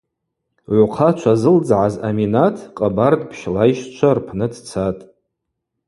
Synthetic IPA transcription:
ʕʷqʰat͡ʃʷʰazɨld͡zʕaza̰minatʰqʼabardpʰʃlajʃt͡ʃʷʰarpʰnɨdʰt͡sʰatʼ

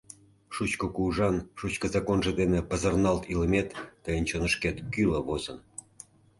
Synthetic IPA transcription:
ʃut͡ɕkokuʒɑnʃut͡ɕkəzɑkonʒĕd̪enepəzərnɑlt̪iləmet̪ːəjənt͡ɕonəʃket̪kyləβozə̰n

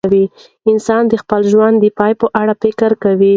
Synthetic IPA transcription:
wi | ɪnsɑnd̪əxpəlʒwand̪əpɑjpəʔaɽafɪkɾkawi

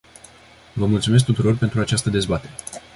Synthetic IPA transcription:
vəmult̪sume̞s̬k̚t̪ut̪uɾo̞rpe̞nt̪ɾuat͡ʃast̪əd̪e̞zbat̪e̞ɾe

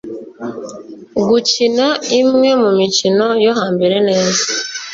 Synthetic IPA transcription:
ɡucinaimŋe̞mumicino̞joɦaːmbeɾe̞ne̞ːzaa

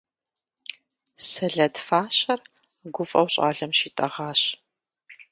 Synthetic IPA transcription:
sɐɮɐdfaːɕɐr | ɡʷʊfʼɐ̰wɕʼa̰ːɮɐmʃiːtʼɐʁaːɕ

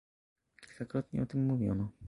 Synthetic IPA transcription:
kʲi̥lkakɾɔt̪ɲɛ̰ɔt̪ɘmːuvʲjɔ̰nɔ

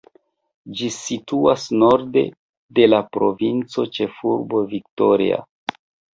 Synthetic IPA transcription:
d͡ʒisituasno̞ɾde̞̰ | de̞lapɾo̞vint͡so̞t͡ʃe̞fuɾbo̞vikto̞ɾḭa̰

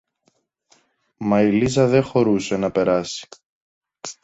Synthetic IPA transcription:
mɐilizɐðe̞xo̞ɾuse̞nɐpe̞ɾɐsi̥

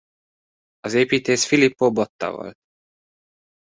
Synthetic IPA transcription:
ɒzeːpiːt̪eːʃfilipːobot̪ːɒ̰vo̰lt̪

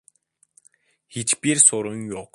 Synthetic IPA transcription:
xit͡ɕpirsʊɾʊ̆ŋjʊk

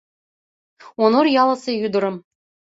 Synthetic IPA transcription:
onorjɑlˠɤ̆sejud̪ɤ̆ɾɤ̆m

